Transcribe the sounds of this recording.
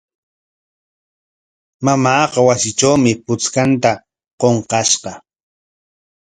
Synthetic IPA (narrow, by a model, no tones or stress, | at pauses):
mamaːqɑwasɪt͡ʃawmɪpʊt͡skant̪a | qoɴqɑʃqɑ